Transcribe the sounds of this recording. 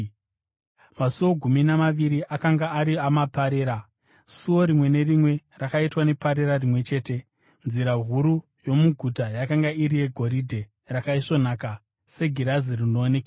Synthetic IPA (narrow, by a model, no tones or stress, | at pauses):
masuwo̞ɡʱuminamaʋiɾiʔakaŋɡaːɾiamapaɾe̞ːɾa | suwo̞ɾimwe̞ne̞rimwe̞rakaitwane̞paɾe̞ɾarimwe̞t͡ʃe̞ːte̞ | nziɾaɦuɾu | jo̞muɡʱutajakaŋɡaiɾije̞ɡʱo̞ɾidʱe̞ | rakaiʂo̞naːka | se̞ɡʱiɾazirino̞ːneka